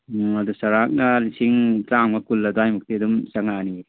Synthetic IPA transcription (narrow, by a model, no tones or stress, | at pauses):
adusɐɾak̚nɐlisiŋtɾaŋmakulːɐduajmuk̚tidumsaŋani